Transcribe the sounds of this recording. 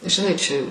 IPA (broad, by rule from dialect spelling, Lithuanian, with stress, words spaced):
ʒʲɪˈnɐɪ t͡ʃʲɛ